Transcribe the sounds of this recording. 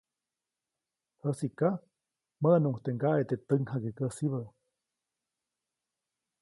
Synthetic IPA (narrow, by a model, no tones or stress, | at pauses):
həsika | mənuŋht̪eŋɡaʔet̪et̪əŋhaɡekəsiβə